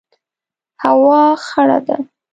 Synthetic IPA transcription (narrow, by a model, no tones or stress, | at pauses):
hawɑxaɽa̰d̪a̰